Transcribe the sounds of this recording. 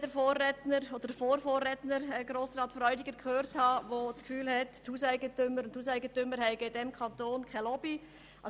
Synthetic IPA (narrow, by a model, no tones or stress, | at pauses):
d̥əɾfoːrɛtnəɾod̥əfoːɾfoːrɛtnəɾɛɡɾoːsrɑːtfrɔʏdɪɡ̥əɾkʰχøːɾthɑvoskfyːlhɛtthuːsæɪɡətʏməɾʊnthuːsæɪɡəntʏməɾɦɛɪɡəɪdɛmkʰɑntoːnkʰɛɪlɔb̥i | ʔɑ